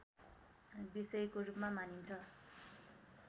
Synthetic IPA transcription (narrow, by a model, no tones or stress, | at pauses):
bisʌjkorupmamanint͡sʰʌ